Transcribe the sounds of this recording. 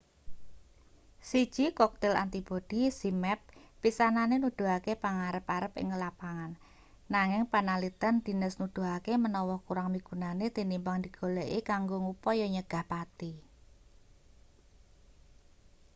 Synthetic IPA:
sid̥ʒ̥ikɔk̚t̪ɛla̰nt̪ibod̪̥isimɛp̚ːisananenud̪̥ṳɦakepaŋaɾəpaɾəpɪ̰ŋːəlapaŋanː | aŋɪŋpanalit̪ənd̪̥i̤nəsnud̪̥ṳɦakemənɔwɔhkuɾaŋmiɡ̥unanet̪inimbaŋd̪iɡ̥o̤leʔekaŋɡoŋupɔjɔɲəɡ̥a̤hpat̪i

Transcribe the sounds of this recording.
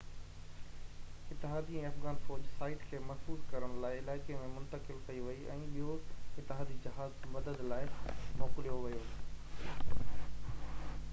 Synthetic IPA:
ɪt̪ːɪɦaːd̪iɛ̃ːɐfɣaːnfɔːd͡ʑsaːɪʈkʰeːmɐsuːzkɐɾəɽ̃laːɪɪlaːɪkemẽmʊ̃nt̪əkɪlkɐiʋɐiʔɛ̃ːɓiɦoɪt̪ːɪɦaːd̪id͡ʑɪɦaːzmɐd̪əd̪laːɪmɔːqɪlijoʋɐjoː

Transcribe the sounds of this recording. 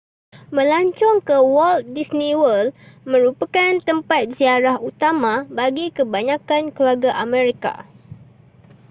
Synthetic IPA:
məlaɲt͡ʃɔŋkəwɔlt̪̚disniwəlmə̃ɾupakant̪əmpat̪̚ziaɾahut̪amãbaɡikəbaɲãkankluaɡaʔamɛ̃ɾika̰

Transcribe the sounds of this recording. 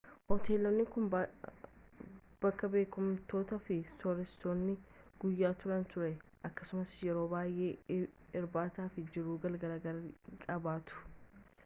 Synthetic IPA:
hɔt̪eːlːɔnːɪkʊn | b̥ɐkːɐbe̞ːkʊmt̪o̞ːt̪ɐfɪsɔɾɛstoːnːɪɡ̥ʊjːaːt̪ʊɾɐnt̪ʊɾɛʔɐkːɐsʊmɐsjɛɾo̞ːbaːjʔe̞ː | ɪɾbaːt̪aːfɪd͡ʒɪɾuːɡɐlɡɐɾɐɡɐɾɐkʼɐbaːt̪ʊ̥

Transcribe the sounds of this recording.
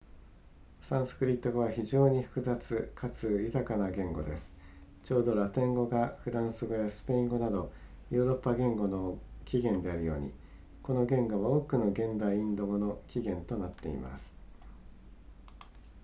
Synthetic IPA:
sãɰ̃sɨ̥kɯ̟ɾʲit̪ːo̞ɡaβaçiʑo̞ːɲ̟iɸɯ̟̥kɯ̟zat͡sɨkʰat͡sɨjɯ̟t̪akanaɡẽ̞ŋɡo̞d̪e̞sɨ̥ | t͡ɕo̞ːd̪o̞ɾat̪ẽ̞ŋɡo̞ɡaɸɯ̟d̪ãɰ̃sɨɡo̞jasɨ̥pe̞ĩŋɡo̞nad̪o̞ | joːɾo̞pːaɡẽ̞ŋɡo̞no̞kʲiɡẽ̞nd̪e̞aɾɯ̟jo̞̰ːɲ̟ḭ | ko̞no̞ɡẽ̞ŋɡo̞βaoːkɯ̟no̞ɡẽ̞nd̪aiĩnd̪o̞ɡo̞no̞kʲiɡẽ̞nt̪o̞nat̪ːe̞ḭma̰sɨ̥

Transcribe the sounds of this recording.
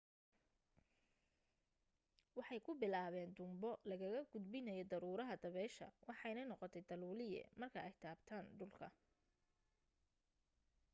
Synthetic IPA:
wɑħɑjkʰʊbɪlaːβɛːnd̪ʊmbɔlɐɣɐɣɐɡʊd̪bɪnɐjɔd̪ɐɾuːɾɐɦɐd̪ɐβɛːʃɐ̰wɑħɑjnɐnɔqɔt̪ʰɛjd̪ɐluːlɪjɛ̰mɐrkʰɐɛjt̪ʰaːbt̪ʰaːnɖʊlkʰɐ

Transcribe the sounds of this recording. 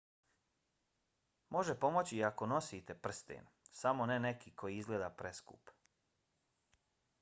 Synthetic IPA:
mo̞ʒepo̞mo̞t͡ɕiako̞no̞sit̪e̞pr̩st̪ḛn | samo̞nene̞kikʰo̞jiizɡleːd̪apɾe̞skṵp

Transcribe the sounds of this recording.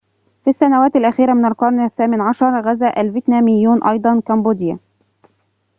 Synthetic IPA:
fisːanawæːt̪alʔæxiːɾamɪnalqɑɾˤnaθːaːmɪnʕɑʃɑɾˤɣazaːʔalvɪt̪næːmɪjːuːnʔɑ̰jd̪ˤɑnkamboːd̪ɪja̰

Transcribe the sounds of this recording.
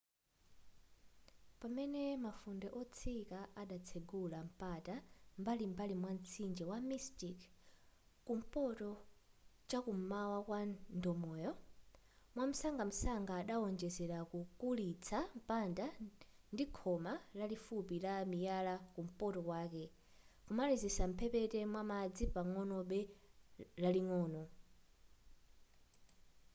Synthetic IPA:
pamɛnɛmafundɛʔɔt͡sʰikaʔaɗat͡sʰɛɡulam̩patambalimbalimwan̩t͡sʰind͡ʒɛwamistik | kum̩pɔtɔ | t͡ʃakum̩mawakwandɔmɔjɔ | mwam̩saŋɡam̩saŋɡaːɗaɔnd͡ʒɛzɛɾakukulit͡sʰam̩panda | ndikʰɔmalalifupilamijalakum̩pɔtɔkwaːkɛ | kumalizisam̩pʰɛpɛtɛmwamad͡zipaŋɔnɔɓɛ | laliŋɔːnɔ

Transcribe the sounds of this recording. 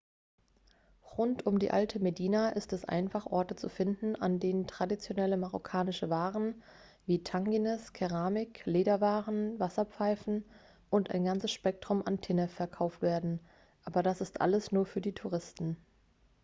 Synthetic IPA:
ʁʊntʊmdḭːʔaltʰəmediːnaʔɪstɛsʔa̰ɪnfaχʔɔ̰ɐtət͡sṵfɪndn̩a̰ndeːnəntʁ̥adit͡sjonɛləmaʁo̰kʰaːnɪʃəvaːʁən | viːtʰaŋɡinɛskʰɛʁaːmɪkleːɾɐvaːʁənvasɐp͡faɪfn̩ | ʔʊnta̰ɪnɡant͡səsʃpɛk̚tʁ̥ʊmantʰɛnəfɛɐkʰaʊftv̥eːɐdn̩ | ʔaːbɐdasɪstʔa̰ləsnuːɐfyːɐdiːtʰuʁ̞ɪstn̩

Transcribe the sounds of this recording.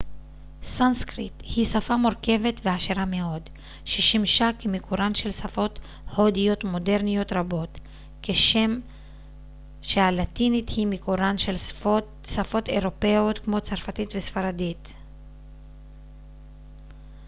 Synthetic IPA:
sanskʁithisafamoɾke̞vet̪veaʃeʁame̞o̞d | ʃeʃimʃakemikʰuɾanʃe̞lsafo̞t | hodijo̞t̪mo̞de̞ʁnijo̞t̪ʁabo̞t | keʃe̞m | ʃehalat̪inithimikuɾanʃel | safo̞te̞ʁo̞peotkmo̞t͡saʁfatitvesfaɾadit̪

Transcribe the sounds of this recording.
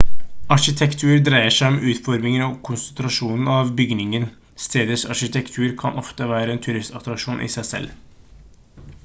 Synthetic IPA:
ɑʂɪt̪ʰɛkt̪ʰʉːɾd̪ɾæɪəʂæɪɔmʉːt̪fɔɾmɪŋənɔkʰʊnsənt̪ɾɑʂuːnn̩ɑʋbʏɡnɪŋən | st̪ʰeːd̪əsɑ̰ʂɪt̪ʰɛkt̪ʰʉːɾkʰɑ̰nʔɔft̪əʋæːɾəɛːnt̪ʰʉɾɪst̪ɑt̪ɾɑkʂuːnʔɪ̰sæɪsɛ̰l

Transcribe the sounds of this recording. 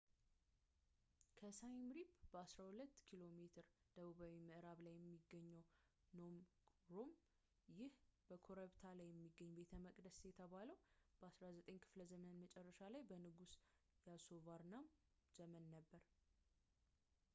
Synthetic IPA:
kʰəsajmɾipb̥əasɾahulət̪ːkʰilo̞me̞t̪ʰɨɾd̪̥əβuβawimɨʔɾaβlajːɛmːiɡːəɲːəw | nom | ɾom | jɪhb̥əkʰo̞ɾəβt̪ʰalajːɛmːiɡːəɲːbe̞t̪ʰəməkʼd̪əsjɛt̪ʰəβaləwb̥əasɾazət̪ʼəɲkʰɨ̥fləzəmənmət͡ʃʼɛrːəʃalajbənɨɡusjasovaɾnam | z̥əmənːəbːəɾ

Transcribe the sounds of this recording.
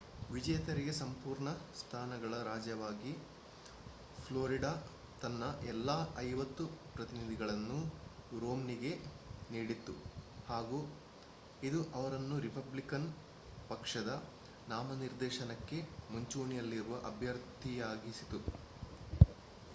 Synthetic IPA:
ʋid͡ʒɐjɐt̪ɐɾiɡesɐmpuːɾɳɐst̪ʰaːnɐɡɐɭɐɾaːd͡ʒjɐʋaːɡi | pʰloːɾiɖaː | t̪ɐnːɐʔɛlːaːʔɐjʋɐt̪ːupɾɐt̪inid̪ʱiɡɐɭɐnːuɾoːmniɡe̞ | niːɽit̪ːṵhaːɡu | id̪uʔɐʋɐɾɐnːuɾipɐblikɐn | pɐkʂɐd̪ɐ | naːmɐniɾd̪ɛːʃɐnɐkːe̞muɲt͡ʃuːɳijɐlːiɾuʋɐʔɐbʱjɐɾd̪ʱijaːɡisit̪u

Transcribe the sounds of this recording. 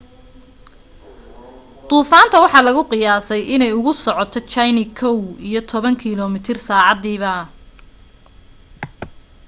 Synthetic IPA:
t̪uːfaːnt̪ʰɐwɑħɑːlɐɣʊqɪjaːsɛjʔɪnɛjʊɣʊsɔʕɔt̪ʰɔt͡ʃajnɪkʰɔwijɞt̪ʰɔβɐŋkʰilɔmɪt̪ʰɪrsaːʕɑd̪iːβɐ

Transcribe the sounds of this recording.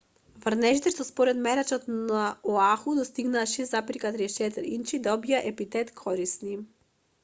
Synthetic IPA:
vr̩nɛʒit̪ɛʃt̪ɔspɔɾɛt̪mɛɾat͡ʃɔt̪nnaɔaxud̪ɔst̪iɡnaːʃɛzzapɾikat̪ɾit͡ʃɛt̪əɾint͡ʃid̪aɔbijaʔɛpit̪ɛt̪kʰɔɾisni

